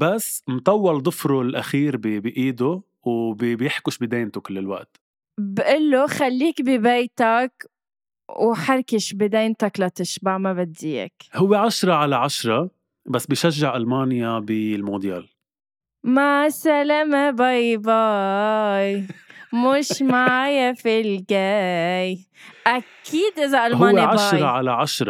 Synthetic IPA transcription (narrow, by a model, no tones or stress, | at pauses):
basːmt̪ˤɑwːɑld̪ˤʊfɾulʔaxiːɾbibiʔiːd̪ʊ | wbbjɪħkʊʃbid̪eːnt̪ʊkɪlːɪlwa̰ʔt̪ | bʔɪlːʊxalːiːkbibeːt̪ak | wħaɾˤkɪʃbid̪eːnt̪aklat̪ɪʃbaʕmabad̪ːḭːkhʊwːeʕaʃɾˤɑʕalaʕaʃɾˤɑ | basːbiʃaʒːaʕʔalmaːnjabilmod̪ja̰ːl | masalamabajbɑ | jmʊʃmaʕajafilɡaj | ʔakʰiːd̪ʔɪzaʔalhmʊaːnːaʕaʃɾˤɑʕalaʕaʃɾˤɑ